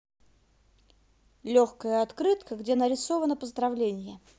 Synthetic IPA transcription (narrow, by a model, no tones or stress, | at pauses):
lʲoxkəjəɐt̪kɾɨt̪kəɡdʲenəɾʲɪsovənəpəzd̪ɾɐvlʲenʲɪjə